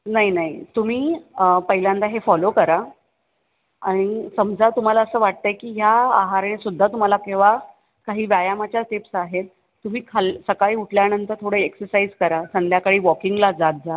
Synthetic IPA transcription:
naɦinaɦit̪um̤iːpəɦiljãnd̪aɦefɔlokəɾa | aɽ̃isəmd͡zʱat̪um̤alaəsəːʋaʈ̚t̪əekiːɦjaaɦaɾaɽ̃isud̪ʱːat̪um̤alakeʋa | kaɦiːʋjajamat͡ɕjaʈipsaɦet̪̚ː | um̤iːkʰalsəkaɭiːuʈʰljanənt̪əɾt̪ʰoɽəeksəɾsaid͡zkəɾasənd̪jakaɽiːʋɔkiŋɡlad͡zat̪̚d͡za

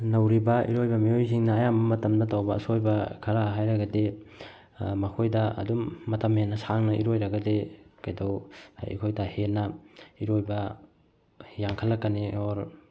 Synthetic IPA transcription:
nawɾibɐʔḭɾojbɐmiojs̬iŋnɐːjambɐmɐtɐmdɐtawbɐɐ̰sojbakʰaɾaɦajɾɐɡɐde | mɐkʰojdɐɐ̰dumːɐtɐmhenːɐsaŋnɐʔḭɾojɾaɡɐdekajdawḭkʰojdahenːaiɾojbɐ | jaŋkʰalːakːanioɾ

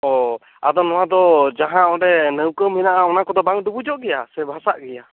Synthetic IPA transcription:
ɔ | ad̪ɔnɔwad̪ɔd͡ʒaɦãɔɖɛnəwkəmːinaʔaɔnakɔd̪ɔbaŋɖubud͡ʒɔʔɡɛjasɛbʱasaʔɡɛja

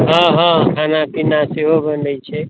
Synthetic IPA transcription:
ɦãɦãkʰanapinaseɦobənɖəjt͡ʃʰɛ

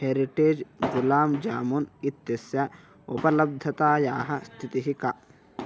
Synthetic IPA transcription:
heːɾiʈeːd͡ʒɡulaːmd͡ʒaːmunit̪jɐsjɐ | upɐlɐb̚d̪ʱɐt̪aːjaːɦɐst̪ʰit̪iɦikɐ

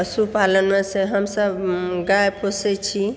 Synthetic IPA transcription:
əsupalənmẽsẽɦəmsəbɡajpʰoset͡ʃʰi

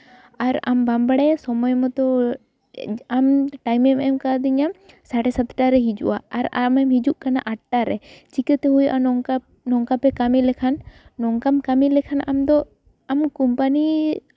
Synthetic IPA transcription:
aɾa̰mbambaɽɛsɔmɔjmɔt̪ɔ | amʈajmɛmɛmkad̪iɲam | saʈɛsat̪ʈaɾɛɦid͡ʒṵʔaaɾamɛmɦid͡ʒuʔkana̰ʔaʈ̚ʈaɾɛt͡ʃikɛt̪ɛɦujʔaɔŋa | nɔŋkapɛkamilɛkʰanːɔŋkamkamilɛkʰanʔamd̪ɔ | amkumpani

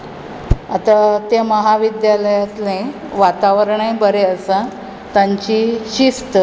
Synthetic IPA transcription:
at̪at̪eməɦaʋid̪jaləjat̪lẽ | ʋat̪aʋəɾɳajbəɾeəsã | t̪ãɲt͡ɕiɕist̪ə

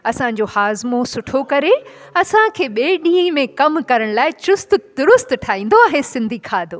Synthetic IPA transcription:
ɐsã̆d͡ʑohaːzmosʊʈʰokɐɾe | ɐsãkʰeːɓeːɗĩːĩmẽkɐmkɐɾəɽ̃laːɪt͡ɕʊst̪̆d̪ʊɾʊst̪ʈʰaːĩːn̆d̪oɐɦẽsɪ̃nd̪ʱikʰaːd̪ʱoː

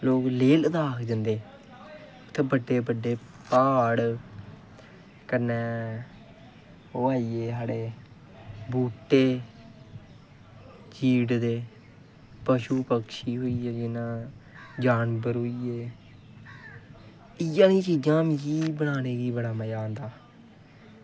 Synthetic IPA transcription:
loːkleːləd̪aːkʰd͡ʒ̪ənd̪eː | t̪ʰːeːbəɖːeːbəɖeː | paːɽ | kənɛː | oːaːiːeːsaːɽeː | buːʈːeː | t͡ʃiːɽd̪eː | pəʃuːpəkʃiːɦoːiːɛːd͡ʒɪnãːd͡ʒaːnbəɾoːiːeː | ɪjãːnĩːt͡ʃiːd͡ʒãːmɪ̃d͡ʒiːbəɽaːneːɡiːbəɽaːməjaːnd̪aː

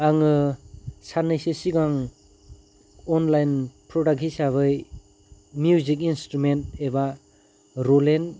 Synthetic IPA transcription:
aŋɯ | sanɯjsesiɡaŋ | ɔnlajnpɾɔdak̚ɦisaβɯj | mjuzikinstɾumenteba | ɾolen

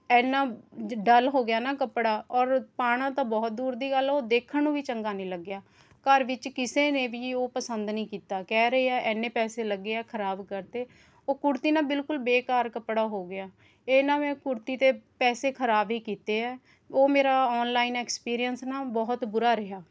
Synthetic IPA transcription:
ɛːnaːɖəlɦoːɡɪjaːnaːkəpɽaːɔːɾpaːɽ̃ãːt̪ãːbɔːt̪̚d̪uːɾd̪iːɡəlːoːd̪eːkʰəɳũːʋiːt͡ʃəŋɡaːniːləɡɪjaː | kəɾʋɪt͡ʃkɪseːneːʋiːoːpəsənd̪nĩːkiːt̪aːkɛːɾəɦeːɛːʔɛːnẽːpɛːseːləɡːeːɛːkʰəɾaːbkəɾt̪eː | oːkʊɾt̪iːnãːbɪlkʊlbeːkaːɾkəpɽaːɦoːɡɪjaː | eːnãːmɛ̃ːkʊɾt̪iːt̪eːpɛːseːkʰəɾaːbiːkiːt̪eːɛː | oːmeːɾaːɔːnlaːiːnɛːkspiːɾijənsnãːbɔːʊt̪bʊɾaːɾɪɦaː

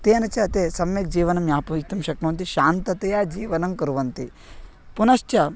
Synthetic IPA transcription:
t̪eːɐnɐt͡ʃɐɐt̪esɐmjɐk̚d͡ʒiːʋɐnɐmjaːpɐit̪ɐmʃɐknɐʋɐnt̪iʃaːnt̪ɐt̪ejaːd͡ʒiːʋɐnɐmkɐɾuʋɐnt̪i | punɐʃt͡ʃɐ

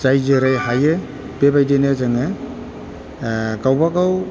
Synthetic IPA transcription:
zajzeɾajhaje | bebajdenezɯŋe | kawbakaw

